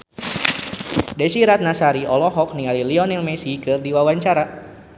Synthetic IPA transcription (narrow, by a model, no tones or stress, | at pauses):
dɛsiɾat̪̚nasaɾiʔɔlɔɦɔk̚nialiliɔnilmɛsikɨrdiwawaɲt͡ʃaɾa